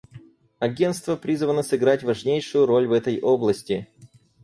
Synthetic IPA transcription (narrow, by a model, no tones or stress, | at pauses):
ɐɡʲe̞nt̪st̪vəpɾʲizvənəsɨɡɾatʲvɐʐnʲejʂʊjʊɾo̞lʲvɛt̪əjʔoblˠəsʲtʲɪ